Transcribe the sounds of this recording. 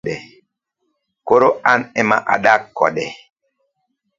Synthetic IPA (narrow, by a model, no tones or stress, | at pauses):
ɗɛ | koɾoanɛma̰ʔa̰ɗakːɔ̰ɗɛ